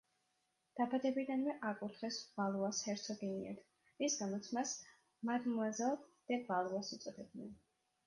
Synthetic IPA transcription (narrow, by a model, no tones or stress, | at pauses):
d̪̥abad̪ɛbid̪anvɛʔakʼut̪ʰχɛsvalˠuashɛɾt̪sʰɔɡiniɛ̰ɾt̪ʰ | isɡamɔt̪sʰmas | mad̪mɔad̪zalˠd̪̥ɛvalˠuasut̪sʼɔd̪ʰɛb̚nɛn